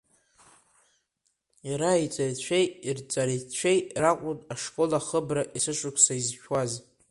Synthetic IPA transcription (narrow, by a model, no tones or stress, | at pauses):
jaɾait͡sʼarit͡ɕʷʰejirt͡sʼaɾit͡ɕʷʰejrakʷʼʊnaʂkʼo̞laχəbraʔisɨʂʷʊkʷʰsaizʃᶣwaz